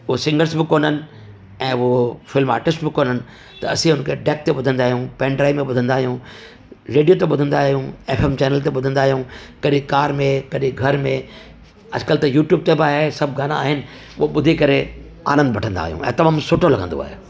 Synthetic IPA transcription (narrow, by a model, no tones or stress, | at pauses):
ʊɦosɪ̃ŋɡəɾsbɪkoːnənɪ̆ | ɛ̃ːʊɦofɪlma̰ːʈɪsʈbɪkoːnənɪ̆ | t̪ɐɐsĩɦʊnkʰeɖeːk̚t̪eɓʊd̪ʱə̃nd̪aːɦijũːpɛ̃ːɳɖɾaːimẽɓʊd̪ʱə̃nd̪aːɦijũ | ɾeːɖijot̪eɓʊd̪ʱə̃nd̪aːɦijũeːfʰeːmt͡ɕɛːnəlt̪eɓʊd̪ʱə̃nd̪aːɦijũkɐɗĩkaːɾmẽkɐɗĩɡʱɐɾmẽ | ɐ̰d͡ʑkəlt̪ɐjuːʈjuːb̚t̪ebaːɦesɐbʱɡʱaːnaaːɦɪnɪ̆ | ʊoɓʊd̪ʱikɐɾe | a̰ːɾə̃nd̪ʋɐʈʰə̃nd̪a̰ːɦijṵ̃ʔɛ̰̃ːt̪ɐmaːmsʊʈʰolɐɡʱə̃nd̪o̰a̰ːɦḛ